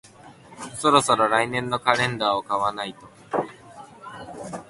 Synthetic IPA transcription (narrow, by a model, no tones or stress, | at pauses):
so̞ɾo̞so̞ɾo̞ɾainẽ̞nːo̞kaɾẽ̞nd̪aːokaβanait̪o̞